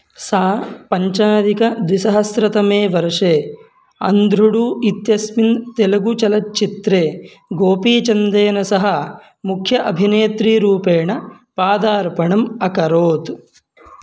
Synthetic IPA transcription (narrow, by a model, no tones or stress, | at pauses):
saːpɐɲt͡ʃaːd̪ikɐd̪ʋisɐɦɐsɾɐt̪ɐmeːʋɐɾɐʂeː | ɐ̰nd̪ʱɾuɽuːit̪jɐsmint̪elɐɡut͡ʃɐlɐt͡ʃt͡ʃːit̪ɾeː | ɡoːpiːt͡ʃɐnd̪eːnɐsɐɦɐ | mukʰjɐʔɐbʱineːt̪ɾiːɾuːpeːɳɐ | paːd̪aːɾpɐɳɐmɐkɐɾoːt̪